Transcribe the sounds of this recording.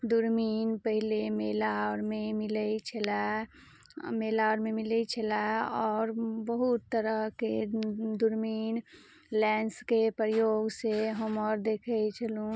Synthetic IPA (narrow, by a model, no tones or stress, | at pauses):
d̪uɾmiːnpəɦilemelaɾmẽmɪlət͡ʃʰəla | meːlaɾmẽmɪlət͡ʃʰəlaɔːɾbəɦut̪ːəɾəɦked̪uɾmiːn | lɛ̃ːnskepɾəjoːɡseɦəmɔːɾd̪eːkʰəit͡ʃʰəlũ